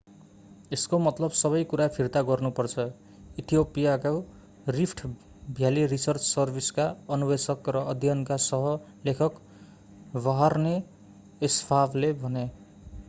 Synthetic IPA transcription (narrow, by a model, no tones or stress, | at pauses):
eskomʌt̪lʌbsʌβʌjkuɾapʰirt̪aɡʌrnupʌrt͡sʰʌ | it̪ʰijopijaka | ripʰʈʰ | bʱjalirisʌrt͡ssʌrbʱiskaʌnubesʌkrʌʌd̪ʱjʌnkasʌɦʌ | lekʰʌk | baɦarneː | spʰabʰlebʱʌne